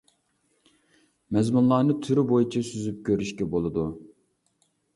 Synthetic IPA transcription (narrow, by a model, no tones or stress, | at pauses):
mɛzmunlˠɑːnɨt̪ʰyɾybojit͡ʃʰisyzyp̚kʲøɾyʃkʲɛbolˠɨd̪u